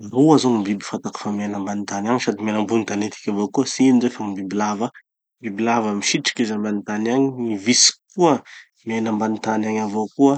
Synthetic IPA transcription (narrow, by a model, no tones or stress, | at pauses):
nuazoŋimbibi̥fat̪akə̥famenəmbanit̪anaŋisad̪imenəmbunit̪anet̪i̥kʲavokuəsinizoefaimbibilava | mbibilavəmiʃiʈ͡ʂi̥kizambanit̪anaɲiivisi̥kuə | menambanit̪anaɲavokuə